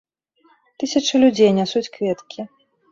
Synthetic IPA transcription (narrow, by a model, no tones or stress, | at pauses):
t̪ɨsʲɐt͡ʂɨlʲud͡zʲejnʲasut͡sʲkvʲɛt̪kʲʰi